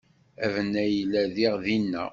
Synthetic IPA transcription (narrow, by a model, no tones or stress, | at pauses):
ævənːæjəlːæðiʁðinːæ̰